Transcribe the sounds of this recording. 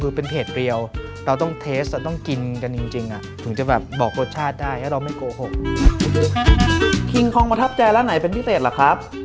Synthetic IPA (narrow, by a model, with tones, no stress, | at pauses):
kʰɯː˧pe˧npʰeː˨˩t̪̚ɾi˧əw | ɾa˧wt̪ɔ˥˩ŋt̪ʰeː˦˥st̪ɛː˨˩t̪ɔ˥˩ŋki˧nka˧nt͡ɕi˧ŋt͡ɕi˧ŋʔa˨˩t̪ʰɯ˩˦ŋt͡ɕa˨˩bɛː˨˩p̚bɔː˨˩k̚ʰːɾoː˦˥˩t̚t͡ɕʰaː˥˩t̪̚daː˥˩jlɛ˦˥ɾa˧wma˥˩jkoː˧ho˨˩k̚ | kʰi˧ŋkʰɔː˧ŋpa˧t̪ʰp̚t͡ɕa˧jlɛː˦˥na˩˦jpe˧nt̪ʰiː˥˩seː˨˩t̪̚la˨˩kʰɾa˦˥p̚